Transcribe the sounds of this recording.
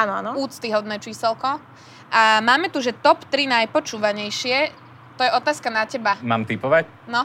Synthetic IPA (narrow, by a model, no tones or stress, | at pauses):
aːnɔanɔuːt͡st̪iɦɔd̪nɛːt͡ʃiːsɛlkɔ | ʔamaːmɛt̪uʒɛt̪ɔpt̪ɾinajpɔt͡ʃuːʋaɲɛjʃɪɛ | t̪ɔjɛɔt̪aːskanacɛbamaːmt̪ipɔʋac | nɔ